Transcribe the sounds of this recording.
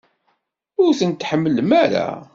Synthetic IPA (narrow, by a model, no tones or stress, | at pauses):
ʊɾθənt̪ħəmːəlmæɾa̰